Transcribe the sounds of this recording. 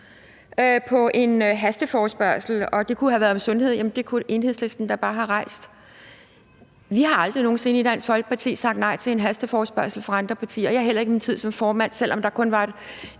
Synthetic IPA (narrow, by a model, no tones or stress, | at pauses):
øpʰɒ̽ʔe̝nɦæsd̥əfɒːsb̥ɶɐsl̩ɒ̽d̥e̝kʰuhæʋæɐðˠmsɔ̽nhe̝ð̞̰ˠjæmnd̥e̝kʰuʔe̝ːnhe̝sle̝sd̥n̩d̥ɑ̈b̥ɑ̈ːɦɑ̈ʁɑ̈ɪ̰sd̥ | ʋiɦɑ̈ɑ̈ld̥ʁino̝ːn̩se̝nəid̥æn̰sfɒ̽lɡ̥ə̥pʰɑ̈t͡sʰḭːsɑ̈ɡ̥d̥nɑ̈ɪt͡sʰe̝e̝nɦæsd̥əfɒːsb̥ɶɐsl̩fʁɑ̈ɑ̈nd̥ʁɐpʰɑ̈t͡sʰḭːɐjɑɦel̰ɐe̝ɡəmint͡sʰið̞̰ˠsɒ̽mfɒːmæn̰sel̰ʔɒ̽md̥ɑ̈kʰɔ̽nʋɑ̈e̝d̥